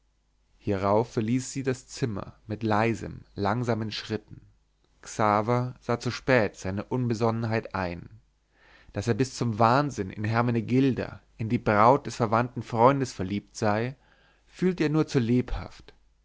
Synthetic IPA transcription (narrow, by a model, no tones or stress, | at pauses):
hiːʁaʊfːɛɐliːsz̥iːdast͡sɪmɐ̰mɪtlaɪzə̰mlaŋzaːmənʃʁ̥ɪtn̩ | ksaːvɐz̥aːt͡suʃpɛːtz̥aɪnəʔʊnbəzɔnənɦaɪtʔa̰ɪn | d̥aseːɐbɪst͡sʊmvaːnzɪnɪ̰nɦɛɐmaneɡɪldɐ̰ʔɪndiːbʁaʊt̚d̥ɛsfɛɐvantn̩fʁ̥ɔʏndəsfɛɐliːp̚tz̥aɪ | fyːltəeːɐnuːɐt͡suleːpha̰ft